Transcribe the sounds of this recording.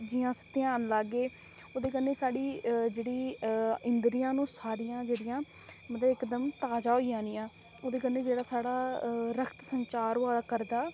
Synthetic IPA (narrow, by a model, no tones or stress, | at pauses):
d͡ʒiːjãːsə̥t̪ɪaːnlaːɡeː | oːd̪eːkənːeːsaːɽiːd͡ʒeːɽiːɪnd̪ɾijãːnũːsaːɾijãːd͡ʒeːɽɪjãː | mət̪ləbɪkd̪əmt̪aːd͡ʒaːɦoijãːnɪjãː | oːd̪eːkənːeːd͡ʒeːɽaːsaːɽaːɾəkʰt̪səɲt͡ʃaːɾoaːkəɾd̪aː